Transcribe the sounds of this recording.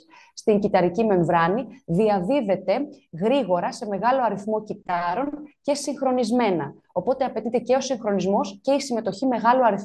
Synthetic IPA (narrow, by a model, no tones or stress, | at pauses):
st̪iɲcit̪ɐɾicime̞ɱvɾɐniðiɐðiðe̞t̪e̞ɣɾiɣo̞ɾɐse̞me̞ɣɐlo̞ɐɾiθmo̞cit̪ɐɾo̞nce̞siŋxɾo̞nizme̞nɐ | o̞po̞t̪eɐpe̞t̪it̪e̞ce̞o̞siŋxɾo̞nizmo̞sce̞isime̞t̪o̞çime̞ɣɐluɐɾiθ